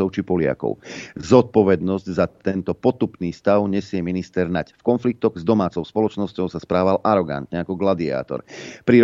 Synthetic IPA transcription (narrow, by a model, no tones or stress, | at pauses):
ɔʊt͡ʃipɔlɪa̰kɔ̰ʊzɔt̪̚pɔʋɛd̪nɔzɟzat̪ɛnt̪ɔpɔt̪upniːst̪aʊɲɛsɪɛminist̪ɛɾnacfkɔnflik̚t̪ɔɣzd̪ɔmaːt͡sɔʊspɔlɔt͡ʃnɔscɔʊsaspɾaːʋalʔaɾɔɡa̰nt̪ɲɛakɔɡlad̪ia̰ːt̪ɔ̰ɾpɾiɾ